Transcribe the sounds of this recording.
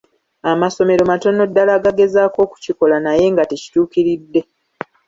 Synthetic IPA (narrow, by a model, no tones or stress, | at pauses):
amaso̞me̞ɾo̞mato̞nːo̞dːalaːɡaɡe̞zaːko̞ːku̥ciko̞lanaje̞ːŋɡateci̥tuːkiɾidːe̞